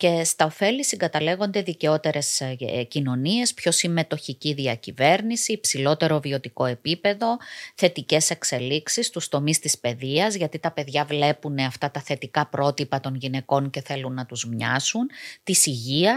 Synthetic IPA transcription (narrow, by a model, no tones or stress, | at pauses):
ce̞st̪ɐofe̞lisiŋɡɐt̪ɐle̞ɣo̞nd̪e̞ðice̞o̞t̪e̞ɾe̞scino̞nie̞spço̞simme̞t̪o̞çiciðiɐcive̞ɾnisiːpsilo̞t̪e̞ɾo̞vio̞t̪iko̞e̞pipe̞ðo̞θe̞t̪ice̞se̞kse̞liksist̪ust̪o̞mist̪ispe̞ðiɐzʝɐt̪it̪ɐpe̞ðʝɐvle̞puneɐft̪ɐt̪ɐθe̞t̪ikɐpɾo̞t̪ipɐt̪o̞nʝine̞ko̞nce̞θe̞lunːɐt̪uzmɲɐ̰sunt̪isiʝiɐ